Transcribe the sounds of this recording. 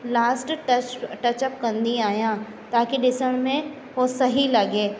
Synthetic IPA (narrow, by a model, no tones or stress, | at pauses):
laːsʈʈɐt͡ʃʈɐt͡ʃɐp̚kɐ̃nd̪iaːjã | t̪aːkiɗɪsəɽ̃mẽ | ʋosɐɦilɐɡeː